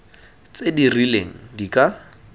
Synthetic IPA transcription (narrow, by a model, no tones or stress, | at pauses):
t͡sedirilḛŋ̩dikʼa